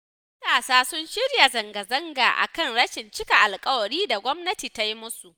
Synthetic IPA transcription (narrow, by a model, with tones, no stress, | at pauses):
mɐ˦taː˨saː˦sʊ˦nʃɪ˦ɽja˨zɐ˨ŋɡɐ˨zɐ˦ŋɡaː˨ʔa̰˨kɐ˦˨ŋɽɐ˦ʃɪ˨nt͡ʃɪ˦ka˨ʔa˨lkʼɐ˦wɐ˨ɽiː˦da˨ɡʷɔ˦mnɐ˦tiː˨ta˦ji˦mʊ˦su˨ʔ